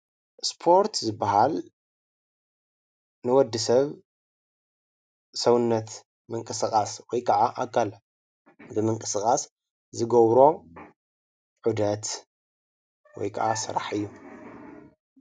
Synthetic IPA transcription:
spʰo̞ɾt̪ʰzɨbːaɦal | nɨwɔd̪ːɨsɐβ | sɐwɨnːɐt̪ | mɨŋkʼɨsɨkʼaswɔjkʰɐʕaʔakʰːal | bɨmɨŋkʼɨsɨkʼas | zɨɡɐβɾo̞ | ʕud̪ɐt̪ | wɔ̰jkʰa̰ʔasɨɾa̰ħɨjːu

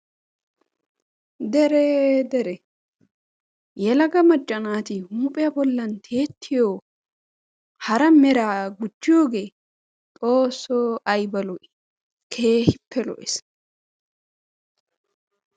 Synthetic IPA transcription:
d̪ɛɾɛd̪ɛɾɛ | jɛlɐɡɐmɐd͡ʒʼːɐnaːt̪ɪhuːpʼɪjɐbɔlːɐnt̪ʰe̞ːt̪ːɪjoː | hɐɾɐmɛɾaːɡʊt͡ʃːɪjoːɡeː | t̪ʼoːsːoɐjbɐlɔʔ | kʰe̞ːhɪpʰːɛlɔ̰ʔɛs

